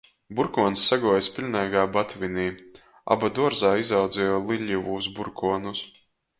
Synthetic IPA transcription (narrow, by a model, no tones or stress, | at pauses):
buɾkuɔnsːaɡuɔjspʲilʲnʲɛjɡaːbat̪vinʲiː | a̰bad̪uɔɾzaːizawd̪zʲɛjɔlˠiʎʲivuzbuɾkuɔnus